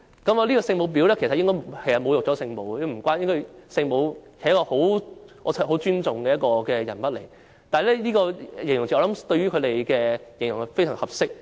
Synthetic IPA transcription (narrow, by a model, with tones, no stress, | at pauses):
kɐ˨˥mː˨˧liː˥kɔː˧sɪ˧ŋmo˨˧wp̬i˨˧˥wlɛ˥kʰsɐ˨t̚jɪ˥ŋkɔː˥kʰe˨˩jsɐ˨tmo˨˧wjʊ˨k̚t͡ɕɔː˨˥sɪ˧ŋmo˨˧wjm̩˨˩kʷaː˥njɪ˥ŋkɔː˥sɪ˧ŋmo˨˧whʰjɐ˥kɔː˧ho˨˥wɔ˨˧˨ho˨˥wt͡ʃyː˥nt͡sʊ˨ŋkɛː˧jɐ˥tkɔː˧kɛː˧jɐ̰˨˩npɐ˥t̚le˨˩j | t̪aː˨˩˨lɛ˦˥liː˥kɔː˧˨je˨˩ŋjʊ˨˩ŋt͡ɕi˨ɔ˨˧˥ɐ˨˧˥mt̪ɵ˧ɥyː˥kʰɵ˨˧ɾe˨˩jkɛː˧jɪ˨˩ŋjʊ˨˩ŋ˧fe˥jt͡ɕœː˨˩hɐ˨p̚sɪ˥k̚